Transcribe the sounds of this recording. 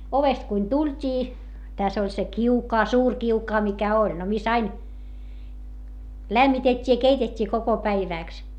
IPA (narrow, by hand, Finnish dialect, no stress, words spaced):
oʋest kuin tultʲiː tæs olʲ se kiukɑː suːr kiukɑː mikæ olʲ no mis ɑin læmːitetʲːiː jɑ keitetʲːiː koko pæiʋæˑks